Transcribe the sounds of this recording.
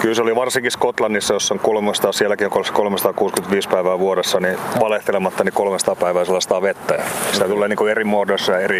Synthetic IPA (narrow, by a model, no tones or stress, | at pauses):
kylseoliʋɑrsiŋkiskot̪lɑnːisːɑjosːoŋkolmest̪ɑːsiælːˑækioŋkolskolmesɑt̪ɑːkuːskymet̪ʋiːspæiʋæːʋuoɾesːɑniʋɑleht̪elemɑt̪ːɑnikolmesɑt̪ɑːpæiʋæːselːɑsɑt̪ɑːʋet̪ːæjɑsit̪æt̪ulːeːniːŋkuerimoːdoisːɑjɑeri